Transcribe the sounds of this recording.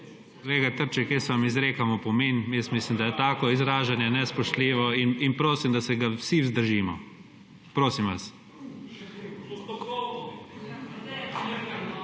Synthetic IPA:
leːɡat̪əɾt͡ʃɛkjesʋamizɾeːkamɔpɔmeːnmjɛsmislimd̪ajɛt̪aːkɔizɾaːʒanjɛnɛspɔʃt̪liːʋɔininpɾoːsimd̪asɛɡawsiwzd̪əɾʒiːmɔ̰ | pɾoːsimʋas

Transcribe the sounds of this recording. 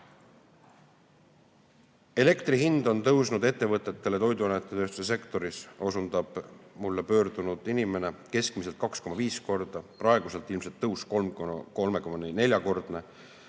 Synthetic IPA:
e̞le̞kt̪riɦind̪o̞nt̪ɤwsnud̪e̞t̪ːe̞vɤt̪ːˑe̞t̪ːe̞le̞t̪o̞jd̪uɑnet̪ːˑe̞t̪øːst̪u̥se̞se̞kt̪o̞ɾiso̞sund̪̥ɑb̥mulːepø̞ːɾd̪̥unud̪̥inime̞ne̞ke̞skmis̬e̞lt̪̚kɑksko̞mɑviːsko̞rd̪̥ɑprɑe̞ɡ̥use̞lt̪ːˑilmse̞lt̪ːɤwskolmko̞lme̞komɑnne̞lʲjɑko̞rd̪̥ne̞

